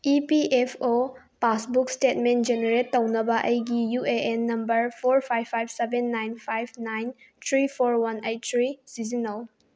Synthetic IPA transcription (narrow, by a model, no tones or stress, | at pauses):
ipiʔepʰo | pasbukstetment̚d͡ʒeneɾetːɐwnɐbɐʔɐjɡijueʔenːɐmbɐɾpʰoɾpʰajpʰːajbsebenːajnpʰajbʰnajn | t̪ʰɾipʰoɾwɐnejt̚ːtʰɾisizinɐl